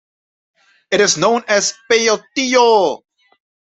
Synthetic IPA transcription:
ɨɾɨznõʊ̃nɨz̥peot̪io

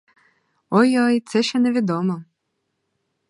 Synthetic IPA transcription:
ɔjɔjt̪sɛʃt͡ʃɛnɛʋʲid̪ɔmɔ

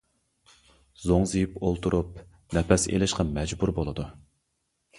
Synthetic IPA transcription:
zoŋzɨjipolˠt̪ʰuɾʔup̚ | nɛpɛsḛlɪʃqɑmɛd͡ʒbuɾbolˠɨd̪u

